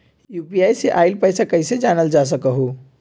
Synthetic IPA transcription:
jupijaːjseʔaːɪlpəɪsakəɦɪsed͡ʒaːnəld͡ʒas̬əkəɦo

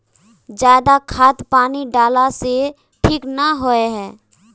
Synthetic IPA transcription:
d͡ʒjaːd̪akʰaːt̪paːniɖaːlase | ʈʰiːknəɦoeɦɛ̃ː

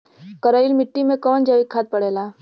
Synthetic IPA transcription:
kɐɾaːɪlmɪʈːimẽkɔːnd͡ʒəʋikkʰaːt̪̚pɐɽeːlaː

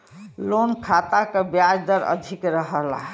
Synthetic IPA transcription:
lonkʰat̪akebjad͡ʒd̪əɾə̰d̪ʱikɾəɦəla̰

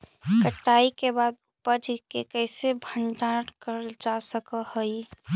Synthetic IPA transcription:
kəʈːaikebad̪̚ | pəd͡ʒkekəɪsebʱəɳʈãɾkəɾd͡ʒasəkəhəj

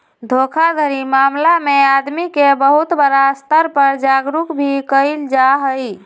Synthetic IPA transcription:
d̪ʱokʰad̪ʱəɾimamlamead̪mikebəɦut̪bəɾast̪əɾpəɾd͡ʒaɡɾukbʱikəɪld͡ʒaɦəj

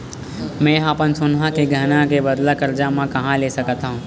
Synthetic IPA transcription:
mɛ̃ːɦaːpənsʊnɦãkeɡʱɐnãkebɐd̪lakɐɾd͡ʒaːmãkɐɦãleːsɐkt̪aɦũː

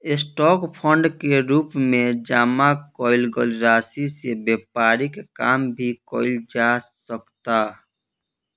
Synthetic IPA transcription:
ɪsʈɔːkpʰə̃ɳɖkeɾuːpmẽd͡ʒaːmakɔːɪlɡəlɾaːsisebeːpaːɾikekaːmbʱikɔːɪld͡ʒasəkt̪a

